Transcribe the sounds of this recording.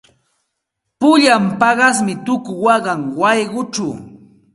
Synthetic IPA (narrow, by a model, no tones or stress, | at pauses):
pʊʎampɑɢɑsmɪt̪ʊkʊwɑɢɑŋwɑjɢʊt͡ʃaw